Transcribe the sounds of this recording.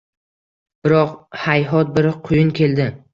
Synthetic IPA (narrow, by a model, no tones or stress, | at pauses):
b̥ɪɾɒqhajɦɒt̪̚bɪɾqʰʊjɪnkʲʰe̞ld̪ɪ